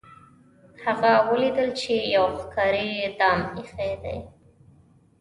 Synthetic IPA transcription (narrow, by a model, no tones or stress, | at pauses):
haɣawəlid̪əlt͡ʃejawxkɑɾid̪ɑmixed̪a̰j